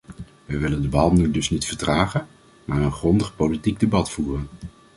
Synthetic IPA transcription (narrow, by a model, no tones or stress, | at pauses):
ʋɛjʋɪləndəbɑlˠnydɵsnitfəɹtraːχən | maːɹənχrɔndəχpowlitiɡ̚debɑtfuːrən